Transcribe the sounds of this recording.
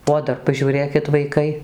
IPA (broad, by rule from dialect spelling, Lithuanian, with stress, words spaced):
oː ˈdɐr pɐʒʲuːˈrʲeːkʲɪt ʋɐɪˈkɐɪ